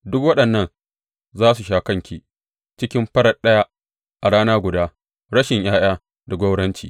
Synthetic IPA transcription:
dʊ˦kwɐ˦ɗɐ˨nːɐ˦˨n | zaː˦s̬u˨ʃaː˨kɐ˦ŋkʲiː˨ | t͡ʃɪ˦kʲɪ˦mɸɐ˦ɽɐ˨ɗɐ˦ja˦ | ʔa˨ɽaː˦naː˦ɡʷʊ˨daː˦ | ɽɐ˦ʃɪ˨ɲjʔaː˦j̰aː˦ | da˨ɡʷo˦ɽɐ˦nt͡ʃḭː˨

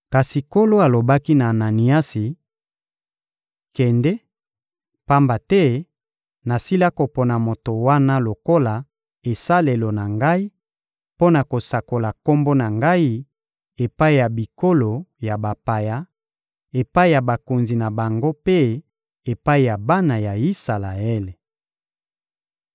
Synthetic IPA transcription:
ka˨si˨ko˦lo˦a˨lo˨ba˦ki˦naː˨na˨ni˨a˦si˨ | kɛ˨ndɛ˦ | pa˦mba˨tɛ˦ | na˨si˦la˦ko˨po˨na˨mo˨to˨wa˦na˦lo˨ko˦la˨ | e˨sa˦le˨lo˨na˨ŋɡa˦i˦ | po˦na˨ko˨sa˨ko˨la˨ko˦mbo˦na˨ŋɡa˦i˦ | e˨pa˦i˦˨ja˨bi˨ko˦lo˨ja˨ba˨pa˨ja˦ | e˨pa˦i˦ja˨ba˨ko˨nzi˨na˨ba˨ŋɡo˦pe˦ | e˨pa˦i˨ja˨ba˦na˨ja˨i˦sa˨la˨ɛ˦le˨

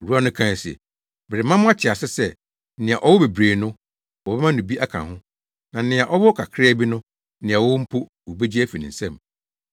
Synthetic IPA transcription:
o˨ɾu˦a˦nʊ̃˦kʰã˦˨n˨sɛ̰˨ | bɪ˨ɾɪ˨mã˦mʊ̃˦a˦t͡ɕʰɪ˨a˨sɪ˦sɛ˦ | nɪ̃˨a˨ʔɔ˦wɔ˦be˨bɾeː˨nʊ̃˦ | wɔ˨bɛ˦mã˦nʊ̃˨bi˦ʔa˦kʰã̰˨hʊ̃˦ | nã˨˦nɪ̃˨a˨ʔɔ˦bɔ˦kʰa˨kʰɾɪ˦ɛ˦bi˦nʊ̃˦ | nɪ̃˨a˨wʊ˦m̩˦pʰo˦ | wo˨be˦d͡ʑi˦æ˦fi˨nĩ˨n̩˨sɛ̃˦˨m

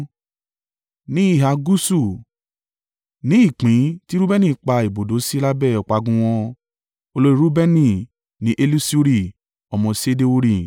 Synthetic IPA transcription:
nĩ˨˦i˦˨ɦa˧ɡu˦su˦˨ | nĩ˨˦i˦˨k͡pĩ˨˦ti˦ɾu˦bɛ˦nĩ˦˨k͡pa˧i˨bo˨do˨˦si˦la˦bɛ˦˨ɔ˨k͡pa˧ɡũ˧w̃ɔ̃˧ | o˧lo˧˦i˦ɾu˦bɛ˦nĩ˦˨ | nĩ˨˦ʔe˦lu˦si˦o˦ɾi˧˨ | ɔ˧mɔ̃˧se˦de˦o˧ɾi˧˨

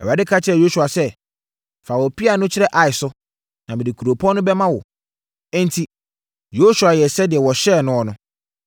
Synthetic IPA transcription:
ɛ˨a˨dɪ˦kʰa˦t͡ɕʰɪ˦ɛ˨jo˦su˨a˨sɛ˦ | fa˨wo˨pʰi˦a˨nʊ̃˦t͡ɕʰɪ˦ɾɛ˦ʔa˨ɪ˨sʊ˦ | nã˨mɪ̃˨dɪ˨kʰu˨ɾo˨pʰɔ̃˦nʊ̃˦bɛ˦mã˦wɔ̰˨ | ɛ̃˦n˦tʰi˨ | jo˦su˨a˨jɛ˨sɛ˦dɪ˨ɛ˨wɔ˨ɕɛː˦˨nʊ̃˦ɔ˨nʊ̃˦

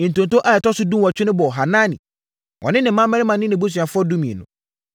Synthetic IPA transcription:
n̩˨tõ˨n˨tʰõ˦ʔa˨ɛ˨tʰɔ˦sʊ˦dũ˦wa˨t͡ɕᶣɪ˦nʊ̃˦bɔ˨ɦa˨nãː˦nɪ̰̃˨ | wʔɔ̰˨nɪ̃˦nɪ̃˨˦mã˦mɛ̃˦ɪ˦mã˨nɪ̃˦nɪ̃˨bu˦s̬ɥa˨fʊ˦ɔ˦dũ˦mĩ˨ḛ˨nʊ̰̃˨

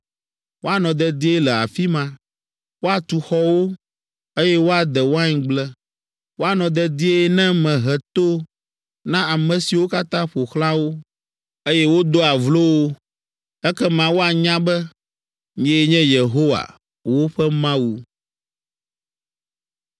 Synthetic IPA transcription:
wo˦a˨nɔ̃˨d̪ɛ˦d̪i˦e˦lɛ˨a̰˨fi˦mã˨ | wo˦a˨t̪u˨xɔ˦wo˦ | e˦jɛ˦wo˦a˨d̪ɛ˨wo˦a˦ɲ˨ɡ͡blɛ˦ | wo˦a˨nɔ̃˨d̪ɛ˦d̪i˦e˦nɛ̃˦mɛ̃˨ɦɛ˨t̪o˦ | nã˦a˨mɛ̃˨si˨wo˦ka˦t̪ã˦ɸo˨xlã˦wo˦ | e˦jɛ˦wo˦d̪o˦a˨vlo˦wo˦ | ɛ˦kɛ˦mã˨wo˦a˨ɲã˦bɛ˦ | ɲɛ̃˦ɲɛ̃˦je˨ɦo˦wa̰˨ | wo˦ɸɛ˦mã˦wu˨

